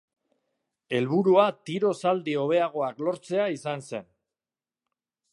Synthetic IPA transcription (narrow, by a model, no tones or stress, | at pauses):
e̞lβ̞uɾuat̪iɾo̞sald̪io̞β̞e̞aɣ̞o̞aklo̞ɾt͡se̞aisanse̞n